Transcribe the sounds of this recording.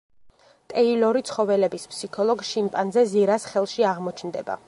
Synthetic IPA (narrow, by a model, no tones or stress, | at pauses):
t̪ʼɛilɔɾit̪sʰχɔvɛlɛbispʰsikʰɔlˠɔɡʃimpʼanzɛziɾasχɛlˠʃiaʁmɔt͡ʃʰnd̪ɛba̰